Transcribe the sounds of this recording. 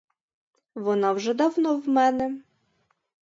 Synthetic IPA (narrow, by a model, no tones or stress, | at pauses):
ʋɔnɑwʐɛd̪ɑwnɔwmɛnɛ